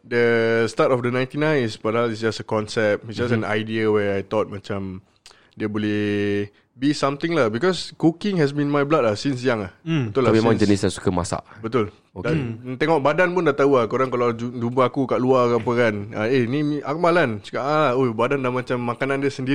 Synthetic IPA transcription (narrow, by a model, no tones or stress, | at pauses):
dəstatɔfdənãj̃nt̪inãjnispadalis̬d͡ʒasəkɔnsɛp̚isd͡ʒas̬ɛnajdiəwɛajt̪ɔt̪̚mãt͡ʃãm | diəbolɛh | bisãmt̪ĩŋlahbikɔskukɪ̃ŋɦɛs̬binmajblat̚lahsins̬ijaŋahbət̪ulamemãŋd͡ʒənislasu̥kəma̰sa̰ʔbət̪ul | dat̪ɛŋɔʔ̚badanpundaʔt̪auahkoɾaŋkalad͡ʒud͡ʒumpəakukaʔluakapəkanəenĩmiʔak̚malansu̥kaʔãlahobadandamãt͡ʃamːakanãndiəsəndi